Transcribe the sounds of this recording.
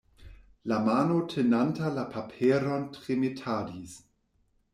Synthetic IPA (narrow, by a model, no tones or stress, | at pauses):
lamanotʰenantalapʰapʰeːɾɔntʁ̥emitʰaːdis